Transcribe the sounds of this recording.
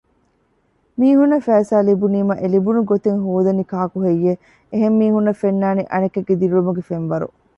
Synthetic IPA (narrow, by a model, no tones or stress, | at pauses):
miːɦunːɐfæːsaːlibuniːmɐʔelibunuɡot̪eŋɦoːd̪ɐnikaːkuɦejːe | eɦemːiːɦunːɐfenːaːniʔɐnɐkeɡːed̪iɾulumuɡefenʋɐɾṵ